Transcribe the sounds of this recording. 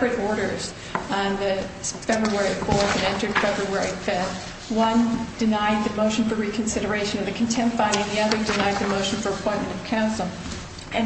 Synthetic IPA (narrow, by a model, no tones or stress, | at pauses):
pɹɨɾɔɹɾə˞z̥̃ | nðɨfɛbɹuwɛɹifɔɹθɨ̃nɛ̃ntə˞d̥fɛbɹɨwɛɹifɛ | wʌ̃nd̥ɨnaɪd̪̚ðɨmoʊʃn̩fə˞ɹikʰn̩sɪɾə˞eɪʃɨ̃nʌvðɨkʰn̩tʰɛ̃mtfãɪ̃nɪ̃ŋðiʌðə˞dɨnaɪd̪̚ðɨmoʊʃn̩fə˞əpʰɔ̃ɪ̃nmɨ̃ñtʌv̥kʰãʊ̃nsl̩ˠ | ɨ̃